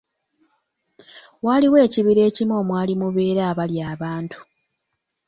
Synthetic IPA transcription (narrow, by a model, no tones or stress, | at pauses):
waːliwe̞ːciβiɾe̞ːcimo̞ːmwaːlimuβe̞ːɾaːβaljaːβaːntʰu̥